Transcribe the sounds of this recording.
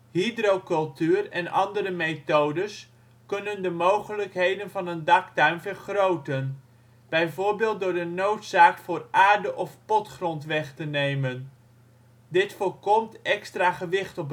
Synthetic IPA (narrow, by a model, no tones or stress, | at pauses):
ɦidrowkɵlˠtyːrɛnɑ̰ndərəmejtowdəs | kɵnəndəmowχələkɦejdənvɑnəndɑktœɥmvəɹχrowtən | b̥ɛjvʊːɹbeːlˠt̚dʊːɹdənowtsaːkfʊːraːɹdəʔɔfpɔtχrɔntʋɛχtənejmən | dɪtfʊːɹkɔmtɛkstraːχəʋɪχtɔp